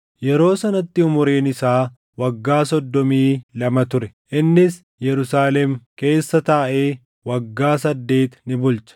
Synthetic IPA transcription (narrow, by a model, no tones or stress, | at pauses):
jɛɾo̞ːsɐnɐt̪ːɪʊmʊɾe̞ːnɪsaː | wɐɡːaːsɔd̪ːɔmiːlɐmɐt̪ʊɾɛʔɪnːɪs | jɛɾʊsaːlɛmke̞ːsːɐt̪aːʔe̞ː | wɐɡːaːsɐd̪ːe̞ːt̪nɪbʊlt͡ʃɐ̥